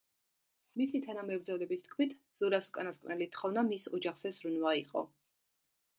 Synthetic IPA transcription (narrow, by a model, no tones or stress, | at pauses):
misit̪ʰanamɛvɾd̪zɔvlɛbist̪̚ʰkʰmit̪ʰ | z̥uɾasɔkʼanaskʼnɛlit̪ʰχɔvnamisɔd͡ʒaχz̥ɛzɾunvaiqʼɔ̰